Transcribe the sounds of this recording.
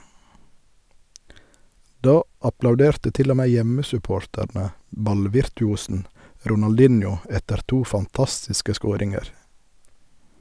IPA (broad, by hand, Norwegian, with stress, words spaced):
ˈdɑː ɑplɑʉˈdeːɾtə ˈtɪl ˈoː ˈmeː ˈjɛməsʉˌpoːɾtæɾnə ˈbɑlʋɪɾtʉˌuːsn̩ ɾʊnɑlˈdɪnjʊ ˈɛtəɾ ˈtuː fɑnˈtɑstɪskə ˈskoːɾɪŋəɾ